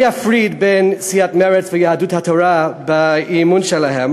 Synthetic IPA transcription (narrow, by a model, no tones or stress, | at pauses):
jafɹid̪bensijat̪mɛɹɛt͡svɛjahadut̪hat̪ʰoɾabaimunʃɛlaɦem